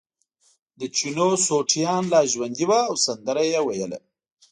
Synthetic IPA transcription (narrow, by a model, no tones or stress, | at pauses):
d̪ət͡ʃinosoʈʰijɑnlɑʒwand̪iwaːwsand̪əɾajewajəla̰